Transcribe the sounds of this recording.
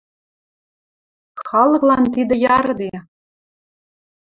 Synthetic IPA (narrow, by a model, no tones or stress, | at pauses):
xɑlˠɤ̆klˠɑnt̪id̪ɘ̆jɑɾd̪e